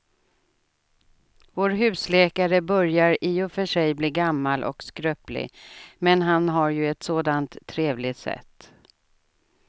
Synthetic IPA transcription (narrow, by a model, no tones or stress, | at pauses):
voːɾɦʉ̟ːslɛːkaɾəbœɾjaɾiːɔfœʂɛjbliːɡamːalʔɔ̰kskɾœːplɪ̰mɛnɦanɦaɾjɵɛt̪soːd̪ant̪ʰːɾeːvlɪt̪sɛ̰t̪ː